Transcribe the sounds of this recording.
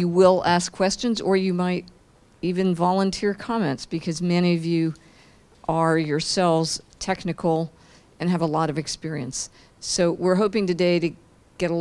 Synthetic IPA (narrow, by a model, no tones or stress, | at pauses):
jɨwɪlˠæskʰw̥ɛst͡ʃɨ̃nzə˞jɨmaɪɾ | ivɨ̃nvɑlˠə̃ntʰɪɹkʰɑmɛ̰̃ntsb̥ɨkʰʌzmɛñiʌvjʉ | ʔə˞jə˞sɛlˠvz̥tʰɛknɨkl̩ˠ | ɨ̃nɨvəlɔɾʌvɨkspɪɹiɨ̃nsː | oʊwɪɹɦoʊpɪ̃ŋtɨdeɪɾɨ | ɡ̥ɛɾə